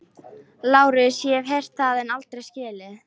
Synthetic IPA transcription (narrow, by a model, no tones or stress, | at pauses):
laːwɾɪsjɛvɦɛjr̥t̪θaðɛnalt̪ɾejscɛːlɪ